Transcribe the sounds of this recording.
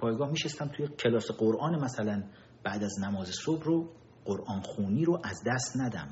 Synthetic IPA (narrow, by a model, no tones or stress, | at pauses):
pʰɒːjɡɒːhmiːʃest̪æmt̪ʰujecʰelɒːseɢoɾʔɒːnemæsælæn | b̥æːd̪æznæmɒːzesobro | ɢ̥oɾʔɒːnxuːniːɾoʔæzd̪æst̪næd̪æ̰m